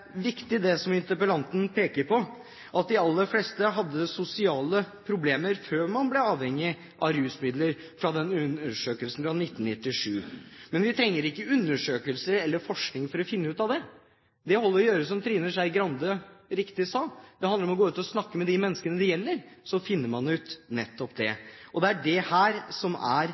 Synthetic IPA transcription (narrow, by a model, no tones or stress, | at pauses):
ʋɪkt̪ɪd̪ɛsɔmɪnt̪əpəlɑnt̪n̩pʰeːkəɾpʰɔ | ʔɑt̪̚d̪ɪɑlːəɾfleːst̪əɦɑd̪ːəsʊsɪɑːləpʰɾʊbleːməɾføːɾmɑnblɛɑːʋhɛŋːɪ | ʔɑɾʉːsmɪd̪ləɾ | fɾɑd̪ɛnːʉnəʂøːkəlsn̩fɾɑnɪt̪ːnnɪt̪ːɪʂʉːmɛnʋɪt̪ʰɾɛŋːəɾɪkːəʉnːəʂøːkəlsəɾɛlːəɾfɔʂknɪŋfɔɾɔfɪnːəʉːt̪ɑʋd̪ɛ | d̪ɛhɔlːəɾɔjøːɾəs̬ɔmt̪ʰɾiːnəʂæɪɡɾɑnd̪əɾɪkt̪ɪsɑd̪̥ɛhɑnd̪əɾɔmɔɡoːʉːt̪ɔsnɑkːəmɛd̪ɪmɛnːəskənəd̪ɛjɛlːəɾsɔfɪnːəɾmɑnʉːt̪nɛt̪ːɔpd̪ɛʔɔd̪ɛæɖɛhæːɾsɔmæ̰ɾ